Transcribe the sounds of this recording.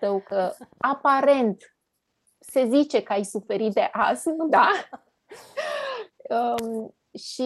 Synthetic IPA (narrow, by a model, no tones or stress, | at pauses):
əwkəapaɾe̞nt̪ | se̞zit͡ʃe̞kəajsufe̞ɾit̪̚d̪e̞ʔasnud̪a | ə | ʃi